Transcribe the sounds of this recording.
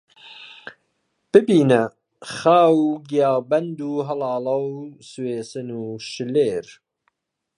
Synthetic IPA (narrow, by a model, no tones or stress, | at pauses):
b̥ɨbiːnɐ | χaːwɡijɑːbɐnd̪uːɦɐlɑːlɐwsweːsɨnuːʃɨleːɾ